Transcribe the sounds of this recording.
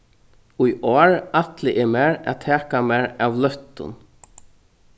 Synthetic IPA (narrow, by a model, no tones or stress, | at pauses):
ʊjoːɹat̪lɪʔɛmɛːɹa̰t̪ʰɛːkamɛːɹavlœht̪ʊ̰n